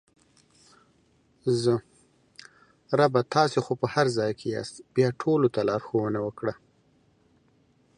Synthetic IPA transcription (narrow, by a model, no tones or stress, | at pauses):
zə | ɾabat̪ʰɑsexopəhaɾzɑjkʰejɑ̰st̪b̥jɑʈʰolot̪alɑɾxowənawəkɽa